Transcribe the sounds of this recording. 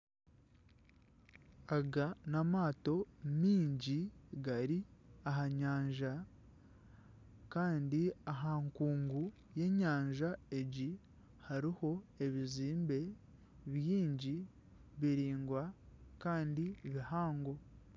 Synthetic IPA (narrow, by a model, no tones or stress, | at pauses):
aɡanamaːto̞miːɲɟiɡaɾiaɦaɲaːɲʒa | kaːndiaɦaŋkuːŋɡu | je̞ɲaːɲʒae̞ɟi | haɾiho̞e̞βiziːmbe̞ | βjiːɲɟi | βiɾiːŋɡwakaːndiβihaːŋɡo̞